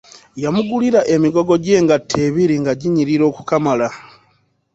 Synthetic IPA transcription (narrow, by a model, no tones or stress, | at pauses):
jamuɡuliɾaʔe̞miɡo̞ɡo̞ɟe̞ːŋɡatʰːeβiɾiŋɡaɟiɲiɾiɾo̞ːkukamala